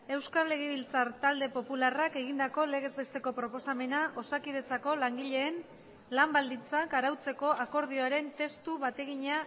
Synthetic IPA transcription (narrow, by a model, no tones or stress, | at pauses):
e̞wskale̞ɣ̞eβilt͡saɾt̪ald̪e̞po̞pularake̞ɣ̞ind̪ako̞le̞ɣ̞e̞zbe̞st̪e̞ko̞pɾo̞po̞same̞naʔo̞sakið̞e̞t͡sako̞laŋɡiʎe̞ːn | lambald̪int͡sakaɾawt͡se̞ko̞ako̞ɾð̞io̞aɾe̞nt̪e̞st̪uβat̪e̞ɣiɲa